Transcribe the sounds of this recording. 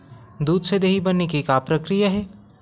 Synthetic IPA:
d̪uːd̪sed̪eːɦibɐnːekekapɾəkɾijaɦɛː

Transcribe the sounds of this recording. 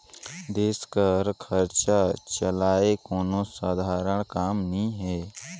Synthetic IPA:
d̪eːskəɾkʰəɾt͡ʃat͡ʃəlaːekoːnosaːd̪ʱaːɾəɽ̃kaːmnĩɦɛː

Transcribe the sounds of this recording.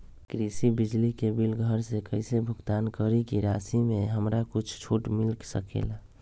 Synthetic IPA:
kɾisibɪd͡ʒlikebilɡʱəɾsekəɪsebʱʊɡt̪aːnkəɾikiɾaːsimẽɦəmɾakʊt͡ʃʰt͡ʃʰoʈmɪlksəkḛːla

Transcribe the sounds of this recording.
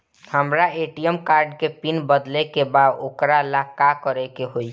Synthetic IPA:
həmɾaeʈijəmkaɾɖkepinbəd̪lekebad̪okɾalakakəɾɛkeɦoi

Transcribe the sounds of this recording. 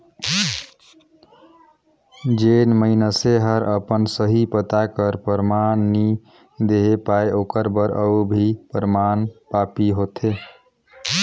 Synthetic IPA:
d͡ʒenməɪnəseɦəɾəpənsəɦipət̪akəɾpəɾmanːi | d̪eɦepaeʔokəɾbəɾəubʱipəɾmanpapiɦot̪ʰe

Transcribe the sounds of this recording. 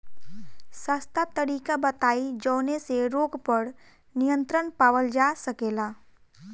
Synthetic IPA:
sast̪ʰat̪əɾiːkabət̪aːid͡ʒɔːneseɾoːɡpəɽ | nijə̃nt̪ɾənpaːʋəld͡ʒasəkeːlaː

